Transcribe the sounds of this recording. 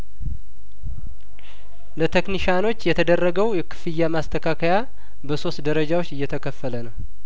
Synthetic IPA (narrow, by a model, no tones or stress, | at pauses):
lət̪ʰekniʃano̞t͡ʃːjɛt̪ʰəd̪ərːəɡəwjɛkʰɨ̥fɨjːamast̪ʰəkʰakʰəja | bəso̞st̪d̪əɾəd͡ʒawo̞t͡ʃːɨjːɛt̪ʰəkʰəfːələnəw